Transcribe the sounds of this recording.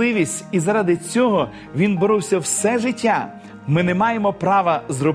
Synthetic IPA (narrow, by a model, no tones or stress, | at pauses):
ɪʋʲisʲtʲizɐɾɑd̪ɪt͡sʲɔɦɔ | ʋʲinbɔɾʊwsʲɐwsɛʒɪtʲːa | mɪnɛmɑjemɔpɾɑʋɐzrɔ